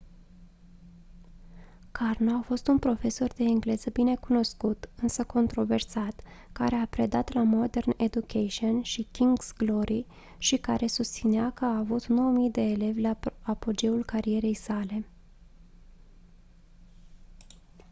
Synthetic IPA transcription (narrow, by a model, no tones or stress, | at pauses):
karnoafo̞st̪unpɾo̞fe̞so̞rd̪e̞ːŋɡle̞zəbine̞kuno̞skut̪ɨnsəko̞nt̪ɾo̞ve̞rsat̪ | ka̰ɾe̞apɾe̞d̪at̪lamo̞d̪e̞rned̪ukʰeʃionʃikʲiŋɡsɡlo̞ɾi | ʃikaɾe̞sust̪sineakəaːvut̪no̞wəmijd̪e̞ːle̞vʲlaapo̞d͡ʒe̞ulkaɾie̞ɾe̞jsale̞